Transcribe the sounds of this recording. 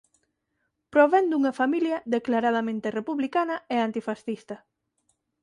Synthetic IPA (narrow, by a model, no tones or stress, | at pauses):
pɾoβɛnd̪uŋɐfamiljɐðeklaɾað̞ɐmẽnt̪erepuβlikanɐeant̪ifasθist̪ɐ